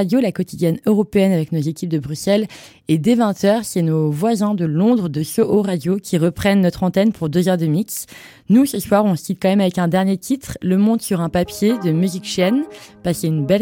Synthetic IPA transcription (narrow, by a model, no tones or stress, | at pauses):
ad̪jolakɔt̪id̪jɛnøʁɔpeɛnavɛknozekʲip̚d̪əbʁysɛl | ed̪evɛ̃t̪ʰœʁsɛnovwazɛ̃d̪əlɔ̃d̪ʁəd̪əsoʔoʁad̪jokʲʰiʁəpχɛnːɔt̪χɑ̃t̪ɛnpʰuʁd̪øzœʁd̪əmiks | nusəswaʁɔ̃sit̪̚kɑ̃mɛmavɛkɛ̃d̪ɛʁnjet̪ʰit̪χləmɔ̃t̪syʁɛ̃papjed̪əmyzikʃɛnpaskeynbɛ